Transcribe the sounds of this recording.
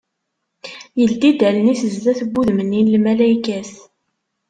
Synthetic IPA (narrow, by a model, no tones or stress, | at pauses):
jəld̪id̪æləniθəzðæθəbːuðmənːinlmælæjkæs